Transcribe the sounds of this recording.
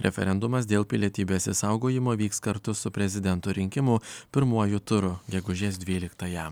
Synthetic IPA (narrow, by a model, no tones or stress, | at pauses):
ɾʲʔɛ̰fʲɛ̰ɾʲɛnd̪ʊmɐs̬d̪ʲeːlˠpʲɪlʲiɛt̪ʲiːbʲeːsʲɪsɐʊɡoːjɪmoːʋʲiːkskɐɾt̪ʊsʊpʲɾʲɛzʲɪd̪ʲɛnt̪ʊːɾʲɪŋʲkʲɪmʊpʲɪɾmuɔjʊt̪ʊɾʊɡʲɛɡʊʒʲeːsd̪ʲʋʲiːlʲɪkt̪ɐjɛ